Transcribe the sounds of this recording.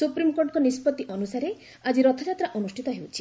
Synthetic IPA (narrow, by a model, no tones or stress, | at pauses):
supɾimkoɾʈɔkɔnispɔt̪ːiʔɔnusaɾe | ad͡ʒiɾɔt̪ʰad͡ʒat̪ɾaʔɔnusʈʰit̪ɔɦewt͡ʃʰi̥